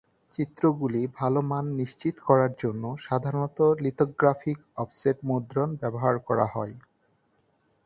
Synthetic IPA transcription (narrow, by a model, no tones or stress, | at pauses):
t͡ɕit̪ːɾoɡulibʱalomanːiʃt͡ɕit̪kɔɾaɾd͡ʑonːoʃad̪ʱaɾonɔt̪olit̪oɡɾafikɔfseʈmod̪ɾonbɛboɦaɾkɔɾa̰ɦɔe